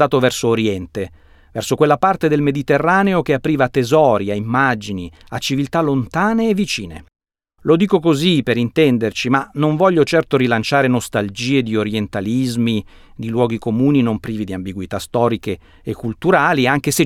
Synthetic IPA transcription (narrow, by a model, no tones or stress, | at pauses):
aːt̪ovɛrsoːɾjɛnt̪e | vɛrsokwelːapart̪ed̪elmed̪it̪erːaːneok̟eapɾiːvat̪ːezɔːɾiaimːad͡ʒini | at͡ʃːivilt̪alːont̪aːneːvːit͡ʃiːnḛ | lod̪iːkokozipeɾint̪ɛnd̪ert͡ʃimanoɱvɔʎːot͡ʃɛrt̪oɾilant͡ʃaːɾenost̪ald͡ʒiːed̪ioɾjent̪alizmi | d̪ilwɔːɡikomuːninompɾiːvid̪iambiɡwit̪ast̪ɔːɾikeː | kːult̪uɾaːliaŋk̟ese